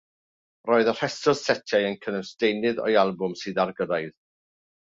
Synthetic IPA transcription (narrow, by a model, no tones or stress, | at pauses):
rɔːɨðər̥ɛsɔð̥sɛtʰjajənkʰənəsd̥ejnɨðɔ̰jalˠbʊmsɨːðarɡədajð